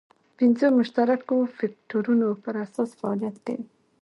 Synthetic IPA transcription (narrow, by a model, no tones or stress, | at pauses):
pɪnzomʊʃt̪aɾakofak̚ʈoɾunopəɾasɑsfaɑlijat̪̚d̪ḛ